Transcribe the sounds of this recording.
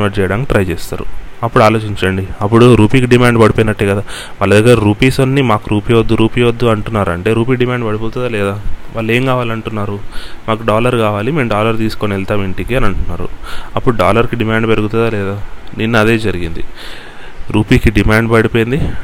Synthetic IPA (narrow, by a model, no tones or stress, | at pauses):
ʋɐt͡ʃɛːjɐɽaːnkiʈɾɐjt͡ʃeːst̪a̰ːɾṵɐpːuɽuaːloːt͡ʃiɲt͡ʃɐɳɖiɐp̬ːuɽuɾuːpiːkiɖimaːɳɖpɐɽipojinɐʈːeːɡɐd̪aːʋɐlːɐd̪iɡɐɾɾuːpiːsonːimaːkuɾʔuːpiːʋɐd̪ːuɾuːpiːʋɐd̪ːuɐɳʈunːaːɾɐ̰ɳʈe̞ːɾuːp̬iːɖimaːɳɖpɐɽipoːt̪̬und̪aːlɛːd̪aːʋaːlːe̞ːŋkaːʋaːliɐɳʈunːaːɾumaːkuɖaːlɐɾkaːʋaːlime̞ːmɖaːlɐɾt̪̬iːsu̥konelt̪aːmiɳʈikiɐnɐɳʈunːaːɾṵɐpːuɽuɖaːlɐɾkiɖimaːɳɖpeɾuɡut̪und̪aːlɛːd̪aːninːuɐd̪e̞ːd͡ʒɐɾiɡind̪i | ɾuːpiːkiɖimaːɳɖpɐɽipoːjind̪i